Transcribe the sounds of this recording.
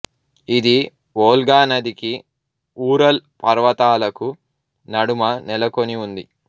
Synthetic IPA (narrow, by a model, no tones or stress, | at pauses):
id̪i | oːlɡaːnɐd̪iki | uːɾɐlpɐɾʋɐt̪aːlɐku | nɐɽumɐnɛlɐko̞niund̪i